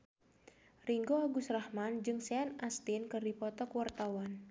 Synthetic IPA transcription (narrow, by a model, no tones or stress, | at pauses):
riŋɡoaɡusrahmand͡ʒɨŋsɛanast̪inkɨrdipɔt̪ɔkwart̪awan